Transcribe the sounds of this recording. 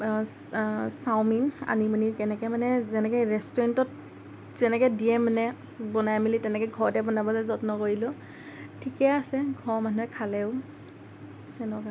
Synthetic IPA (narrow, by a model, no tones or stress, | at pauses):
sawmina̰nimunikɛnɛkɛmanɛzɛnɛkɔjɹɛstɔɹɛntɔt | zɛnɛkɛdiɛmanɛ | bɔnajmilitɛnɛkɛɡʱɔɹdɛbɔnabɔlɛzɔtnɔkoɹilʊ̃ | tʰikɛasɛɡʱɔɹmanuɛkʰalɛʊ | ɛnɔka